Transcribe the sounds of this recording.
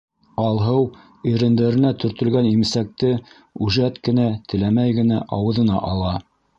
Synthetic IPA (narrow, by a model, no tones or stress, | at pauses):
ɑlˠɦɤw | iɾɘ̆nd̪æɾɘ̆næt̪ɵ̆ɾt̪ɵ̆lɡænimɘsæk̚t̪ɘ | ʉʒæt̪kɘ̆næt̪ʰɘ̆læmæjɡɘ̆næʔɑwɤ̆ðɤ̆nɑ̰ʔɑlˠɑ